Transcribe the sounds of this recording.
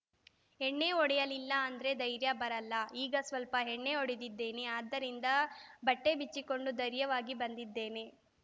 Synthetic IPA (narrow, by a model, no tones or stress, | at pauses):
ɦeɳːe̞oɽɛjɐlilːɐːnd̪ɐɾe̞d̪ɐjɾjɐbɐɾɐlːɐiːɡɐsʋɐlpɐɦeɳːe̞oɽid̪id̪ːe̞ːne̞aːd̪ːɐɾind̪ɐbɐʈːe̞bit͡ʃːiko̞ɳɖud̪ɐɾjɐʋaːɡibɐnd̪id̪ːe̞ːne̞